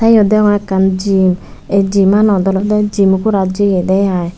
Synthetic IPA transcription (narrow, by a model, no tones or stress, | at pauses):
tajɔdɛŋɛkand͡ʒim | ɛd͡ʒimanɔdɔlɔdɛd͡ʒimukuɾad͡ʒiɡɛdɛjaɛ